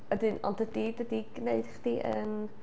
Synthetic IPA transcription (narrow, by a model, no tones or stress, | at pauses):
ədɨnɔ̰ndədidədiɡneɨd̥χd̥iʔən